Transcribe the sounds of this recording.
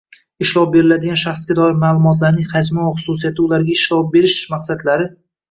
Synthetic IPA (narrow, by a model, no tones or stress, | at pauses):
ɪʃlˠɒp̚be̞ɾɪlad̪ɪɡʲanʃaχsɡʲad̪ɒɪɾmaːlˠʊmɒt̪laɾnɪŋhad͡ʒmɒχʊsʊsijat̪ʰɪʊlaɾɡʲaɪʃlɒp̚be̞ɾɪʃmaqsad̪laɾɪ